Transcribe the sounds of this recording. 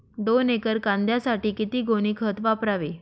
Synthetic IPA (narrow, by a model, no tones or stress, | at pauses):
d̪onekəɾkãnd̪ʱjasaʈiːkit̪iːɡoɽ̃iːkʰət̪ʋapɾaʋe